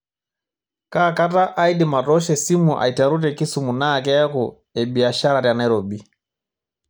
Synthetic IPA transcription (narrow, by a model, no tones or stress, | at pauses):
kakataʔaidimatɔʃɛsimuʔa̰itaɾutɛkisumunakɛaku | ɛbiaʃaɾaɾjanaiɾɔbi